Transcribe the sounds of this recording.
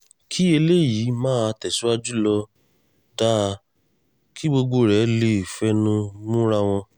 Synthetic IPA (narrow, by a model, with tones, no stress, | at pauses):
kʰi˦e˧le˦˨jiː˨˦mãː˦a˧tɛ˨si˦wa˦d͡ʒu˦lɔ˧ | da˦˧ | kʰi˦bo˧ɡ͡bo˧˨ɾɛ˨˦le˧˨fɛ˦nũ˧˦mũ˦ɾa˦˧w̃ɔ̃˧